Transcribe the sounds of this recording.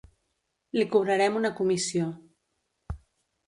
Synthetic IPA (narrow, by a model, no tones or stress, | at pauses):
likuβ̞ɾəɾɛmunəkumisio